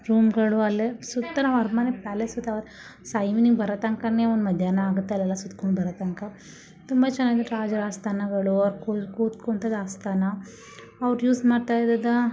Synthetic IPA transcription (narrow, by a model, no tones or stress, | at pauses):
ɾuːmɡɐɭuɐlːesut̪ːɐnɐʋɐɾmanepaːlesut̪ːɐʋɐɾ | sɐjminiŋɡbɐɾɐt̪ɐŋkɐneːɔnd̪mɐd̪ʱjaːnɐaːɡut̪ːeɐlɛlːɐsut̪koɳɖbɐɾɐt̪ɐŋkɐ | t̪umbɐt͡ʃɛnːaːɡid̪eʈɾaːd͡ʒɐɾaːst̪ʰaːnɐɡɐɭuɐʋɾkukuːt̪koɳt̪ɐd̪aːst̪ʰaːnɐ | ɐʋɐɾjuːsmaːɖt̪aːjd̪ɐd̪ɐ